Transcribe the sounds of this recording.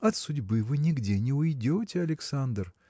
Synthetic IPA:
ɐt̪sʊdʲbɨvɨnʲɪɡdʲenʲɪʊjdʲo̞tʲɪɐlʲɪksand̪r

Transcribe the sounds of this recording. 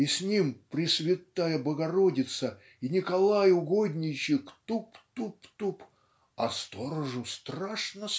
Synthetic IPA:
isʲnʲimpɾʲɪsʲvʲɪt̪ːajəbəɡɐɾodʲɪt̪sə | inʲɪkɐlˠajʊɡod̪ʲnʲɪt͡ɕɪkt̪upt̪upt̪up | ɐ̰st̪oɾəʐʊst̪raʂnə

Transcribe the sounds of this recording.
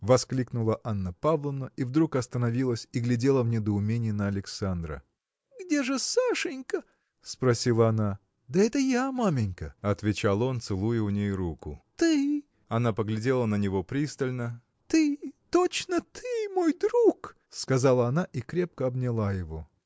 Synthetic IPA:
vɐsklʲiknʊlˠəʔanːəpavlˠənəivd̪ɾukɐst̪ənɐvʲilˠəsʲiɡlʲɪdʲe̞lˠəvnʲɪd̪əʊmʲenʲɪjənəɐlʲɪksand̪ɾə̰ | ɡdʲe̞ʐɨsaʂɨnʲkə | spɾɐsʲilˠəɐna | d̪əɛt̪əjamamʲɪnʲkəɐt̪vʲɪt͡ɕalˠo̞nt̪sɨlˠujʊʊnʲejɾukʊ̰t̪ɨ | ɐnapəɡlʲɪdʲe̞lˠənənʲɪvo̞pɾʲist̪əlʲnə | t̪ɨt̪ot͡ɕnət̪ʰɨmo̞jd̪ɾuk | skɐzalˠəɐnaʔikɾʲe̞p̚kəɐbnʲɪlˠajɪvo̞

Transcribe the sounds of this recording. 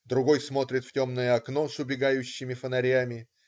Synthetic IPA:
d̪ɾʊɡo̞jsmo̞t̪ɾʲɪt̪ftʲo̞mnəjəɐkno̞sʊbʲɪɡajʉɕːɪmʲɪfənɐɾʲamʲɪ

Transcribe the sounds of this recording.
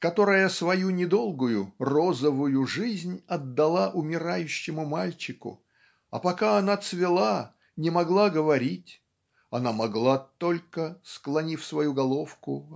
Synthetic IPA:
kɐt̪o̞ɾəjəsvɐjunʲɪd̪o̞lˠɡʊjʊrozəvʊjʊʐɨzʲnʲɐd̪ːɐlˠaʔʊmʲɪɾajʉɕːɪmʊmalʲt͡ɕɪkʊ̰ | ɐ̰pɐkaɐnat̪svʲɪlˠa | nʲɪmɐɡlˠaɡəvɐɾʲitʲ | ɐnamɐɡlˠat̪o̞lʲkəsklˠɐnʲifʲsvɐjuɡɐlˠo̞fkʊ̰

